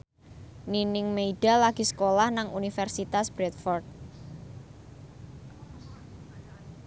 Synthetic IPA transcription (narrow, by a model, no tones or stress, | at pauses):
ninɪŋmeiɖ̥alaɡ̥i̤sə̥kolahnaŋunifɛrsit̪asb̥ɾɛt̪fɔrt̪̚